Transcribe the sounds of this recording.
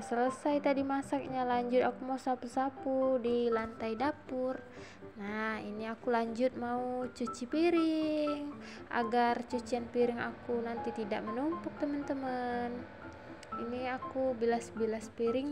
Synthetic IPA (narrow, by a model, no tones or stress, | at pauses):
sələsajt̪adimasak̚ɲalaɲd͡ʒʊt̪akumausapusapudilant̪aidapur | nahiniakulaɲd͡ʒʊt̪̚maut͡ʃut͡ʃipiɾiŋ | ʔa̰ɡart͡ʃut͡ʃianpiɾɪŋa̰kunant̪it̪idaʔ̚mənumpʊk̚t̪əmənt̪əmən | iniakubilasbilaspiɾɪŋ